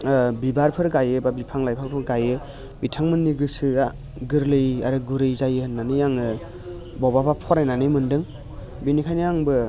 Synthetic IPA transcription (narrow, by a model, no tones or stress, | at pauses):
bibaɾpʰɯɾɡajɯbabipʰaŋlajpʰakpʰɯɾɡajɯ | bitʰaŋmɯnːiɡɯsɯa | ɡɯɾlɯjaɾɯɡuɾɯjzajɯhɯnːanɯjaŋɯ | bɔbabapʰɔɾajnanɯjmɯndɯŋ | binikʰajnɯjaŋbɯ